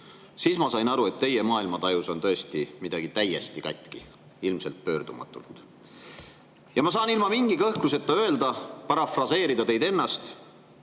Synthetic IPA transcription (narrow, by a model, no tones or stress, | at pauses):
siːsmɑsɑjnɑɾue̞t̪ːe̞je̞mɑːilmɑt̪ɑjuso̞nt̪ɤ̞est̪imid̪̥ɑɡ̥it̪æje̞st̪ikɑ̰t̪ʲːˑki | ilmse̞lt̪̚pø̞ːrd̪umɑ̰t̪ːˑṵlt̪ˑ | jɑmɑs̬ɑːnilmɑmiŋɡ̥ikɤhkluse̞t̪ːˑɑø̞e̞ld̪ɑpɑɾɑfrɑse̞ːɾid̪ɑt̪e̞jd̪e̞nːɑst̪